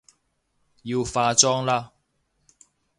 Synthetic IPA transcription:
jiː˧wfaː˧t͡ʃɔː˥ŋlaː˥

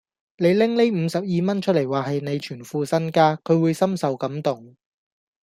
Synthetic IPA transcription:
ne˨˧jlɪ˥ŋle˥jm̩ː˨˧sɐ˨p̚jiː˨mɐ˥nt͡ʃʰɵ˥t̚le˨˩jwaː˨˩ɦɐ˨jne˨˧jt͡ʃʰyː˨˩nfuː˨sɐ˥nkaː˥kʰɵ˨˧ɥwuː˨˧jsɐ˥msɐ˨wkɐ˨˥mt̪ʊ˨˩ŋ

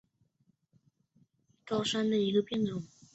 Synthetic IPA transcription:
kɑ˥ʊʂa˥nd̪ə˨i˧˥ɡə˧pjɛ˥˩nʈ͡ʂʊ˨˩˦ŋ

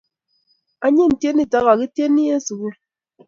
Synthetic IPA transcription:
a˦ɲe˦n̩˨tje˦ni˦ta˦ɣa˨ki˦te˦ni˦e˦su˨ɣu˦

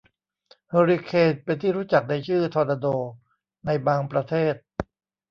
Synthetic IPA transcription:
he˧ɾi˧kʰeː˧n̚pe˧nt̪ʰiː˥˩ɾuː˦˥t͡ɕa˨˩k̚da˧jt͡ɕʰɯː˥˩t̪ʰɔː˧naː˧doː˧ | na˧jbaː˧ŋpɾa˧t̪ʰeː˥˩t̪̚

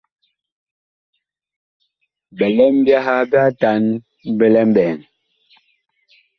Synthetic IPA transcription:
bɛ˨lɔ˦m˦bja˦ɦa˦bja˦ta˨˦n | bɛ˦lɛ˦m̩˦bɛː˨ŋ

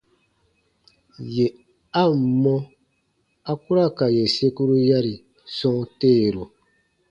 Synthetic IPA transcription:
je˨ | a˦m̩˨mɔ˦ | a˦ku˦ɾa˦˨ka˨je˨se˦ku˦ɾu˦ja˦ɾi˨ | sɔ̃˦ŋ˦te˦˨ɾu˨

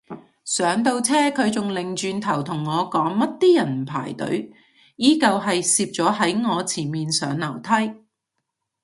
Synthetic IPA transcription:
sœː˨˥ŋt̪o˧wt͡sʰɛː˥kʰɵ˨˧ɥt͡sʊ˨ŋlɪ˨˩ŋt͡ʃyː˧nt̪ʰɐ˨˩wt̪ʰʊ˨˩ŋːɔː˨˧kɔː˨˥ŋmɐ˥t̚t̪iː˥jɐ˨˩nm̩˨˩pʰa̰ː˨˩jt̪ɵ̰˨˥ɥ | jiː˥kɐ˧wɦɐ˨jsiː˧p̚t͡sɔː˨˥ɦɐ˨˥jŋɔː˨˧t͡sʰiː˨˩miː˨nsœː˨˥ŋlɐ˨˩wt̪ʰɐ˥j

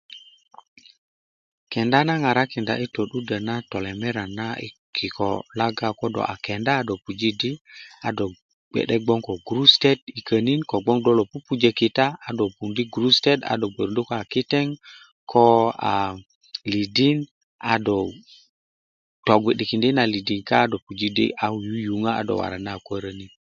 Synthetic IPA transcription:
kɛ˨nda˦na˦ŋa˨ɾa˦ki˨nda̰˨ʔi˦to˨ɗu˦da˨na˦tɔ˨lɛ˨mɛ˦ɾa˨na˦ḭ˦kʰi˨kʰɔ̰˨la˦ɡa˦kɔ˦dɔ̰˨ʔa̰˨kɛ˨ndaː˦do˨pu˨d͡ʒi˦di˦a˨˦dɔ˨ | ɡ͡bɛ̰˨ɗɛ˦ɡ͡bɔ˦ŋkɔ˨ɡɾu˦stɛ˦di˨kʰə˨ni˦nkɔ˨ɡ͡bɔ˦ŋdɔ˦lo˨pu˦pu˦d͡ʒe˦ki˨taː˦˨do˨pu˨ndi˦ɡɾu˦ste˦da̰˨dɔ˨ɡ͡be˨ɾndi˦ko˦a˨ki˦tɛ˦ŋ | kʰɔ˦a̰˨ | li˨di˦n | a˨dɔ˨ | tɔ˨ɡʷi˨ɗi˨ki˨ndi˦na˨li˨di˨ŋkaː˦dɔ˨pu˨d͡ʒi˦dḭ˦ʔa˦wju˦ju˨ŋa˦a̰˦dɔ̰˨wa̰˨ɾa˨na˦˨kʷa˦ɾə˦ni˦n

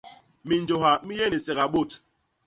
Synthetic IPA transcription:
mi˨n˨d͡ʒo˨ɦa˨mi˦jɛ˦˨ni˨sɛ˨ɣa˨ɓo˦˨t

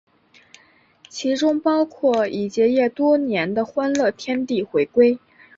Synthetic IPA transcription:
t͡ɕʰi˧˥ʈ͡ʂʊ˥ŋpɑ˥ʊkʰwɔ˥˩i˨˩t͡ɕjɛ˧˥jɛ˥˩t̪wɔ˥njɛ˧˥nd̪ə˧xwa˥nlɤ˥˩t̪ʰjɛ˥nt̪i˥˩xwe˧˥ɪkwe˥ɪ

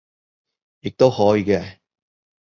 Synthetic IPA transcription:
jɪ˨k̚t̪o˥whɔː˨˥ji˨˧kɛː˧

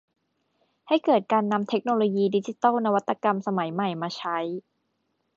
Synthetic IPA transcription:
ha˥˩jkɤː˨˩t̪̚kaː˧nːa˧mt̪ʰe˦˥k̚noː˧loː˧jiː˧di˦˥t͡ɕi˧˩t̪ɔː˥˩wna˧wa˦˥t̪ːa˧ka˧msa˧ma˩˦jma˨˩jmaː˧t͡ɕʰa˦˥j

